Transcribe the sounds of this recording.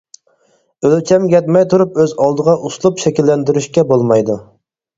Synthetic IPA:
ølt͡ʃʰɛmɡʲɛt̪̚mɛjt̪ʰuɾupøzɑlˠd̪əʁɑʔuslˠupʃɛkʲilːɛnd̪yɾyʃkʲɛbolˠmɑjd̪u

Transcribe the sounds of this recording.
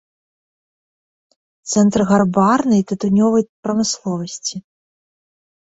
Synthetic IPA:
t̪sɛnt̪rɣarbarnɐjt̪ɨt̪unʲɔvɐjpɾɐmɨslˠɔvɐsʲt͡sʲi

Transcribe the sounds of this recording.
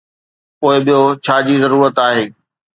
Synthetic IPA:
poːɪɓijot͡ɕʰaːd͡ʑiːzɐɾuːɾət̪aːɦeː

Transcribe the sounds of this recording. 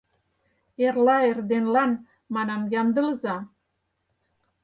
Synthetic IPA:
erlɑerd̪enlɑn | mɑnɑmjɑmd̪ə̆ləzɑ

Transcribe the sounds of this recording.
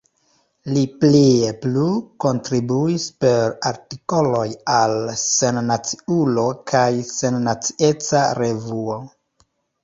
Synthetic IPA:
lipliepluko̞ntɾibuispe̞ɾaɾtiko̞lo̞jalse̞nnat͡si̥ulo̞kʰajse̞nːat͡si̥e̞t͡saɾe̞vuo

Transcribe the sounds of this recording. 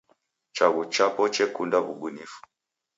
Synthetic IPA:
t͡ʃaɣut͡ʃapɔt͡ʃɛkundaβuɡunifu̥

